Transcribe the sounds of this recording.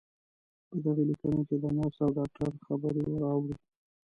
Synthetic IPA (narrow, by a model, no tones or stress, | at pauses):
pəd̪aɣelikənoked̪ənosawɖɑk̚ʈaɾxabəɾiɾɑwɽi